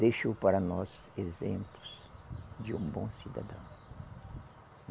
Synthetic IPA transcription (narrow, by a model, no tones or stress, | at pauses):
d̪ejʃopaɾɐnɔs | ezẽmplʊs | d͡ʒɪũbõsid̪a̰d̪ɐ̃w̃